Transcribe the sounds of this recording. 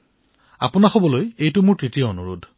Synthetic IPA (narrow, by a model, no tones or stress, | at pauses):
a̰pʊnaxobɔlojejtʊmʊɹtɹitijɔonuɹudʱ